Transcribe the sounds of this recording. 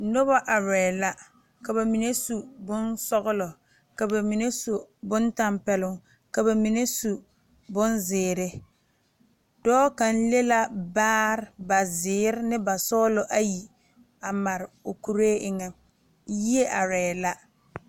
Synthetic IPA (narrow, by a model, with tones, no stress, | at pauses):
no˦βa˦ʔa˨ɾɛː˨la˦ | ka˨ba˨mi˨ne˦su˨bʊ˦nsɔ˦ɣʊ˦lɔ˨ | ka˨ba˨mi˨ne˦so˨bʊ˦nta˦mpɛ˨lʊ˨ŋ | ka˨βa˨mi˨ne˦su˨ | bʊ˦nzɪː˨ɾɪ˦ | d̥ɔː˦ka˨n̩˦le˦la˦baː˦ɾɪ˦ba˨zɪː˨˦ɾɪ˦nɪ˦ba˨sɔ˦lɔ˨ʔa˦ji˨ | a˨ma˨ɾɪ˨o˨ku˨ɾeː˦ʔɪ˦ŋɛ˨ | ji˦e˦ʔa˨ɾɛː˨la˦